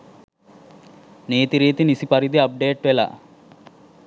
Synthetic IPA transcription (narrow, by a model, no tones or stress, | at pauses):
neːt̪iɾiːt̪inisipɐɾid̪iɐp̚ɖeːʈʋela̰